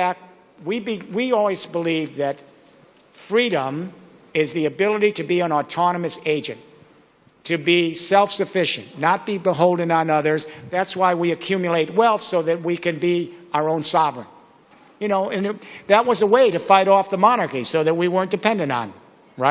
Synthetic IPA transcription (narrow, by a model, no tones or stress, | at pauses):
æk̚t̚ | wibiwiɔlˠwizbəlivðɨt | fɹiɾə̃m | ɪzðiɨbɪlˠəɾiɾɨbiə̃nɔtʰɑñəmɨseɪd͡ʒɨ̰̃n | tʰɨbisɛlˠfsɨfɪʃɨ̰̃nːət̚b̥ibəɦoʊlˠdɪ̃ŋə̃nʌðə˞zðætswaɪwiɨkʰj̥ʉmjleɪt̚wɛlˠθsoʊðɨt̚wikɨ̃nbiaʊə˞õʊ̃nsɑvɹə̰̃n | jɨnoʊɨ̃nðɨt̚wʌzəweɪɾɨfaɪɾɔfðəmɑnɑ˞kisoʊðɨt̚wiwɜ̃˞nd̥ɨpʰɛ̃ndɨ̃ŋ̰̃n | ɹaɪ